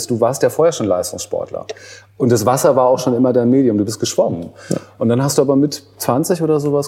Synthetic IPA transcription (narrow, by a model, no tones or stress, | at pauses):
sd̥uːvaːɐstjaːfoːɐheɐʃoːnla̰ɪstʊŋsʃpɔ̰ɐtlɐ̰ʔʊntd̥asv̥asɐvaːɐaʊxʃoːnʔɪmɐdaɪnmeːdjʊmduːbɪst̚ɡ̥əʃv̥ɔmənʔʊntd̥anɦastd̥uːaːbɐmɪtt͡sv̥ant͡sɪçʔoːdɐzoːvas